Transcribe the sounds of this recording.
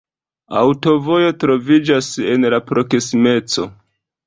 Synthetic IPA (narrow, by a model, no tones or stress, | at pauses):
a̰wto̞vo̞jo̞tɾo̞vid͡ʒase̞nlapɾo̞ksime̞t͡so̞̰